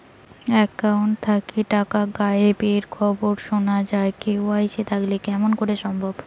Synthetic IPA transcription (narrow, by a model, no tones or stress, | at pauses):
ɛkːawɳʈ̚t̪ʰakiʈakaɡajepeɾkʰɔboɾʃonad͡ʑaekeoajʃet̪ʰaklekɛmonkoɾeʃɔmbʱob